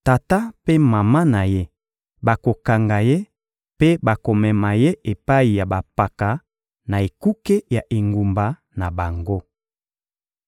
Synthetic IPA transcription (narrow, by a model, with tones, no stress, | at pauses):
ta˨ta˦pe˦ma˨ma˦na˨je˦ | ba˨ko˨ka˨ŋɡa˨je˦ | pe˦ba˨ko˨mɛ˨ma˨je˦ʔe˨pa˦i˨ja˨ba˨pa˨ka˨ | na˨e˨ku˦ke˦ja˨ʔe˨ŋɡu˨mba˨ | na˨ba˨ŋɡo˦